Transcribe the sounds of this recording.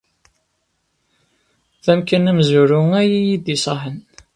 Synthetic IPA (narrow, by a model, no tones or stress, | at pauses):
ðæmkænæmzuɾuŋæjijid̪isˤɑħən